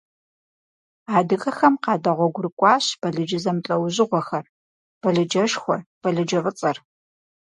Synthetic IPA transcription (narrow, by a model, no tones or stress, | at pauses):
aːdɨxʼɐxɐmqɑːdɐʁʷɔɡʷʊɾɨkʷʼɑːɕb̥ɐɮɨd͡ʒɪzɐmt͡ɬʼɐwʑɪʁʷɔxɐr | b̥ɐɮɨd͡ʒɐʃxʷɔb̥ɐɮɨd͡ʒɐvɨt͡sʼɐr